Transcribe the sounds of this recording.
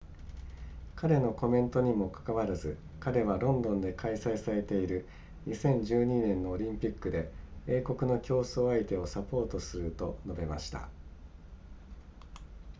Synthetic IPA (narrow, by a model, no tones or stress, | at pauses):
kaɾe̞no̞ko̞mẽ̞nt̪o̞ɲ̟imo̞kḁkaβaɾazɨ | kaɾe̞βaɾõ̞nd̪õ̞nd̪e̞kʰaisaisaɾe̞t̪e̞iɾɯ̟ | ɲ̟isẽ̞ɲ̟d͡ʑɨːɲ̟inẽ̞nːo̞ːɾʲĩmpʲikːɯd̪e̞eːko̞kɯ̟no̞kʲo̞ːso̞ːait̪e̞o̞sapo̞ːt̪o̞sɨɾɯ̟t̪o̞no̞be̞ma̰ɕi̥t̪a̰